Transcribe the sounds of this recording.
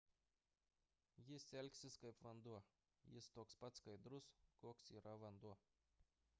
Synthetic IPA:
jɪsʲɛlʲkʲsʲɪskɐɪpʋɐnd̪uɔ | jɪst̪oɔːkspɐt̪skɐɪd̪ɾʊskoːksiːɾɐʋɐnd̪uɔ

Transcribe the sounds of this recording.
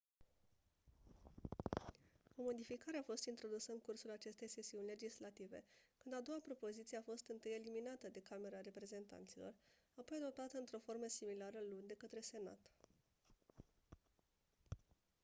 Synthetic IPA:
o̞mo̞d̪ifikaɾe̞afo̞st̪int̪ɾo̞d̪usəɨŋkursulat͡ʃe̞st̪e̞jsejsiunʲle̞d͡ʒislat̪ive̞̰kɨnd̪ad̪o̞wapɾo̞po̞zit̪sieafo̞st̪ɨnt̪ɨje̞liminat̪əd̪e̞kame̞ɾaɾe̞pɾe̞ze̞nt̪a̰nt̪silo̞̰r | apo̞jad̪o̞p̚t̪at̪əɨnt̪ɾo̞fo̞rməsimilaɾəlund̪e̞kət̪ɾe̞se̞na̰t̪

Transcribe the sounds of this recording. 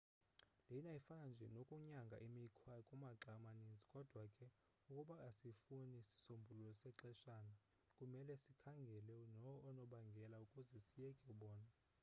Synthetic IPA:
lɛinaifand͡ʒʱɛ̰nokʼuɲaŋɡʱa̰ʔimikʰwakʼumaǁamanind͡zʱikʼɔd̥ʱwakʼɛ | ukʼuɓaasifunisi̥sombʱululɔsɛǁɛʃana | kʼumɛlɛsikʰaŋɡʱɛlɛnɔːnɔɓaŋɡʱɛlaukʼuzɛsijɛkʼɛuɓɔːna

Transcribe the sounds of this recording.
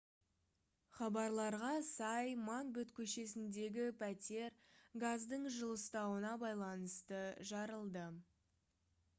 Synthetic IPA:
χɑbɑɾlˠɑɾʁɑsɑjmɑnbɵt̪kʲʰɵʃe̞sɪnd̪e̞ɡʲɪpʰæt̪ʲe̞ɾɡazd̪əɴʒəlˠəst̪ɑwənɑbɑjlˠɑnəst̪əʒɑɾəlˠd̪ə

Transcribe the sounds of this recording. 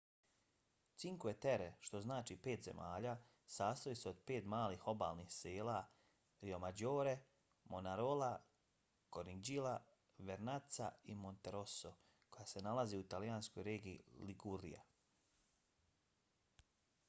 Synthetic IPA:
tsiŋkujet̪eɾeʃt̪o̞znaːt͡ʃipe̞ːt̪ze̞̰mʔaːʎaː | saːst̪ojiseod̪̚pe̞ːt̪maːliːxo̞ba̰ːlnixseːla | ɾio̞mad͡ʑoːɾe̞ | monaɾola | koɾid͡ʑila | ʋeɾnat̪sa̰imo̞nt̪eɾoso | ko̞jase̞nalaziut̪alijansko̞jɾeːɡij̰ːliɡuɾḭja̰

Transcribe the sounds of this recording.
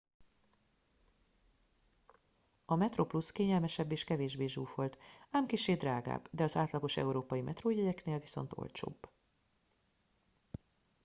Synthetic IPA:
ɒmɛt̪ropluskeːɲɛlmɛʃɛbːeːʃkɛveːʒbeːʒuːfo̞lt̪aːmkiʃeːd̪raːɡa̰ːbd̪ɛɒzaːt̪lɒɡo̞ʃɛ̰uɾoːpɒjimʔɛt̪roːjɛjɛkneːlviso̞̰nt̪o̰lt͡ʃo̰ːbː

